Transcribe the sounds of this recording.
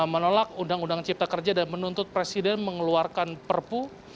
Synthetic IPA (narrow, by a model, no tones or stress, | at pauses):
mənolak̚undaŋundaŋt͡ʃip̚t̪akərd͡ʒadanmənunt̪ʊt̪̚pɾesidɛnməŋəluarkanpərpu